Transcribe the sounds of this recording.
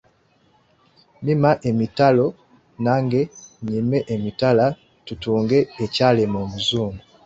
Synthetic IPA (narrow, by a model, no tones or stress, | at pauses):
mimaʔe̞mitalo̞ | naːŋɡe̞ɲime̞ʔemitala | tutuːŋɡe̞ːcalemoːmuzuːmɡu